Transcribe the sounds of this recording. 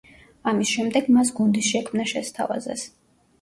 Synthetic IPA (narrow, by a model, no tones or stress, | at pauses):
amisʃɛmd̪ɛɡmas̬ɡund̪isʃɛkʰmnaʃɛst̪ʰa̰va̰zɛ̰s